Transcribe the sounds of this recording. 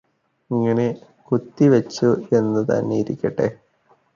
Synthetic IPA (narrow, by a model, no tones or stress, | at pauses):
iŋːɐɳe̞ | kut̪ːiʋɐt͡ɕːue̞nːɨt̪ɐ̰nːeiɾḭkʲːɐʈːḛ